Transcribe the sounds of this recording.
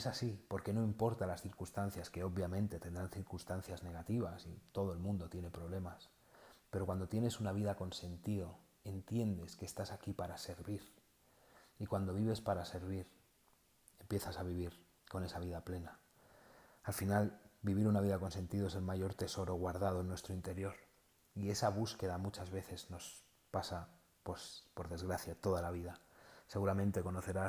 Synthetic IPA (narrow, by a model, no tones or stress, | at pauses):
esasipo̞ɾke̞no̞impo̞ɾt̪alasθiɾkunst̪an̟θjaske̞o̞ββjamẽ̞nt̪e̞t̪e̞nd̪ɾanθiɾkunst̪an̟θjazne̞ɣ̞at̪iβasit̪o̞ðo̞e̞lmũnd̪o̞t̪je̞ne̞pɾo̞β̞le̞mas | pe̞ɾokwand̪o̞t̪je̞ne̞sunaβiðako̞nse̞nt̪iðo̞ | e̞nt̪je̞nd̪e̞ske̞ːst̪asakipaɾase̞ɾβiɾ | ikwand̪o̞βiβe̞spaɾase̞ɾβiɾ | e̞mpje̞θasaβiβ̞iɾ | ko̞ne̞saβ̞iðaple̞naː | lfinalbiβ̞iɾunaβiðako̞nse̞nt̪iðoe̞se̞lmaʝo̞ɾt̪e̞so̞ɾo̞ɣwaɾð̞að̞o̞nwe̞st̪ɾoint̪e̞ɾjo̞ɾ | ie̞saβuske̞ðamut͡ʃazβe̞θe̞zno̞s | pasa | pospo̞ɾðe̞zɣɾaθjat̪o̞ð̞alaβ̞iðase̞ɣuɾamẽ̞nt̪e̞ko̞no̞θe̞ɾa